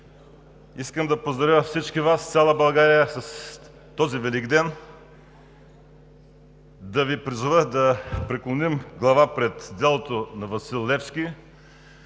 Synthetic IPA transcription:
iskəmd̪ɐpozd̪ɾɐvʲjəfsit͡ʃkivast̪sʲalˠɐbɐlˠɡaɾijəsɐs | t̪ɔzivɛliɡd̪ɛn | d̪ɐvipɾizʊvəxd̪ɐpɾɛklˠonimɡlˠɐvapɾɛt̪d̪ɛlˠot̪onɐvɐsilˠːɛfski

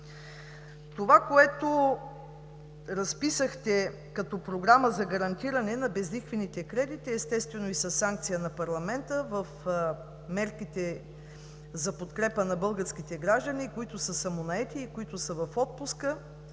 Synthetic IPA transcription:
t̪ovakoɛt̪o | ɾɐspisəxt̪ɛ | kɐt̪ɔpɾoɡɾaməzɐɡɐɾɐnt̪iɾɐnɛnɐbɛzlixvɛnit̪ɛkɾɛd̪it̪iɛst̪ɛst̪vɛnoisɐsːaŋk̚t̪sijənɐpɐɾlˠɐmɛnt̪əvɐf | mɛɾkit̪ɛ | zɐpot̪kɾɛpənɐbɤlˠɡəɾsk̟it̪ɛɡɾaʒd̪ənikoit̪ʊsəsɐmonɐɛt̪iːkoit̪ʊsəvɐfɔt̪̚puskə

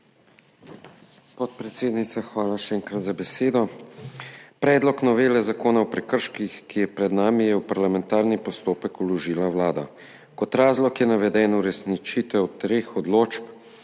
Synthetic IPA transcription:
pɔt̪̚pɾɛt̪seːd̪nit̪saxʋaːlaʃɛɛŋkɾat̪zabɛseːd̪ɔ | pɾɛːd̪lɔknɔʋeːlɛzakoːnawpɾɛkəɾʃkixkijɛpɾɛd̪naːmijɛupaɾlamɛnt̪aːɾnipɔst̪oːpɛkulɔʒiːlawlaːd̪a̰ | kɔt̪ɾaːzlɔkjɛnaʋɛd̪ɛːnuɾɛsnit͡ʃit̪ɛwt̪ɾeːxɔd̪loːt͡ʃp

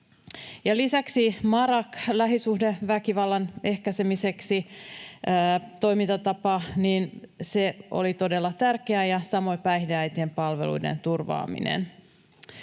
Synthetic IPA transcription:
jɑlisæksimɑɾɑklæɦisuhdeʋækiʋɑlːɑne̞hkæsemise̞ksiː | t̪o̞jmint̪ɑt̪ɑpɑniːnse̞o̞̰lit̪o̞de̞lːɑt̪ærkeæjɑsɑmo̞jpæjhdeæjt̪iempɑlʋelṵjde̞̰nt̪urʋɑ̰ːmḭnḛn

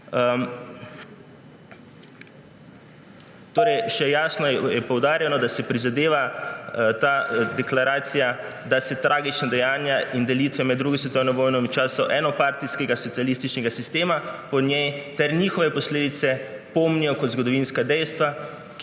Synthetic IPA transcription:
t̪oːɾɛjʃɛjaːsnɔjɛpɔwd̪aːɾjɛnɔd̪asɛpɾizad̪eːʋa | t̪ad̪ɛklaɾaːt̪sija | d̪asɛt̪ɾʔaːɡit͡ʃnad̪ɛjaːnjaind̪ɛlit̪ʋɛmɛd̪d̪ːɾuɡisʋɛt̪ɔːwnɔʋɔːjnɔit͡ʃaːsɔʔɛːnɔpaɾt̪iskɛɡasɔt̪sijalist̪it͡ʃnɛɡasist̪eːmapɔnjɛjt̪ɛɾnixɔʋɛpɔsleːd̪it̪sɛpɔmnijɔkɔd̪zɡɔd̪ɔʋinskad̪ɛjst̪ʋa | k

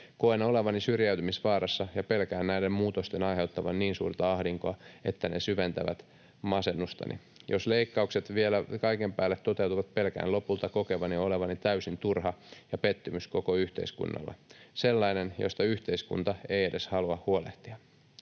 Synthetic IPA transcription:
koenoleʋɑnisyrjæyt̪ymisʋɑːrɑsːɑjɑpe̞lkæːnnæidemmuːt̪ost̪enɑjɦe̞ut̪ːɑʋɑnniːnsṵːrt̪ɑɑhdiŋkoɑe̞t̪ːænesyʋent̪æʋæt̪ | mɑsenːust̪ɑ̰nʔḭ | josleikːɑukset̪ʋielækɑikempæːlːet̪t̪ːot̪e̞uwt̪uʋɑt̪̚pelkæ̰ːnlo̞pult̪ɑkokeʋɑnioleʋɑnit̪æysint̪urɦɑjɑpet̪ːymysko̞koyht̪e̞̰iskṵnːɑ̰lːɑ̰selːɑinenjost̪ɑyht̪e̞iskṵnt̪ɑeiedʔeshɑluɑhhuoleht̪iɑ

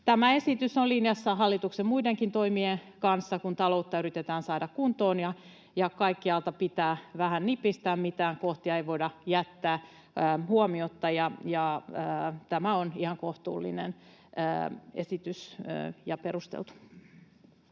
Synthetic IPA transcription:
t̪æmæesit̪ysolinjɑsːɑɦɑlːit̪uksemmuideŋkint̪oimienkɑnsːɑkunt̪ɑlout̪ːɑyɾit̪et̪æːnsɑːdɑkkunt̪oːnjɑ | jɑkɑikːiɑlt̪ɑpit̪æːʋæhænnipːist̪æːmmit̪æːŋkoht̪iɑeiʋoidɑjæt̪ːæː | huomiot̪ːɑjɑjɑ | t̪æmæonihɑŋkoht̪ṵːlːḭnḛnː | ḛsit̪ysjɑpeɾust̪ḛlt̪u̥

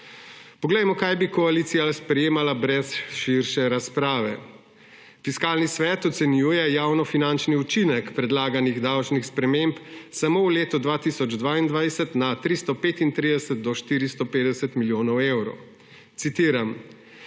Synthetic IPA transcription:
pɔɡlɛjmɔkajbikɔalit̪sijaspɾɛjeːmalabɾɛsʃiɾʃɛɾaspɾaːʋɛ | fiskaːlnisʋɛːt̪ɔt̪sɛnjuːjɛjaːwnɔfinant͡ʃniut͡ʃinɛkpɾɛd̪laːɡaniɣd̪awt͡ʃnixspɾɛmempsamowleːt̪ud̪ʋaːt̪isɔd͡ʒd̪ʋaːind̪ʋajsɛt̪nat̪ɾist̪ɔpeːt̪int̪ɾiːd̪ɛsɛt̪̚d̪ɔʃt̪iːɾist̪ɔpeːd̪ɛsɛt̪miljoːnɔwewɾɔ̰w | t̪sit̪iːɾam

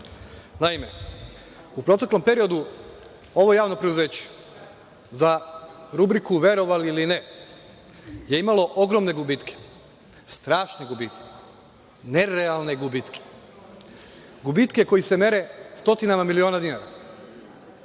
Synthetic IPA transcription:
naime̞ | upɾo̞t̪eklo̞mpe̞ɾijo̞d̪u | o̞ʋo̞jaːʋno̞pɾed̪uze̞ːt͡ɕe̥ | zaɾubɾikuʋe̞ɾo̞ʋaliline | je̞imalo̞ʔo̞ɡɾo̞mne̞ɡubit̪kʰe̥ | st̪ɾaːʃneɡubiːt̪ke | ne̞ɾealˠne̞ɡubit̪kʰe̥ | ɡubit̪ke̞ko̞jise̞me̞ɾe̞st̪o̞t̪inamamilio̞ːnad̪inaɾa

